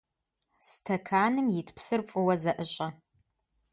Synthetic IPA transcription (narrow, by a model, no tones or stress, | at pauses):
stʰɐkʰaːnɨmjɪtʰpsɨrfʷʼʊwɐzɐʔɨɕʼɐ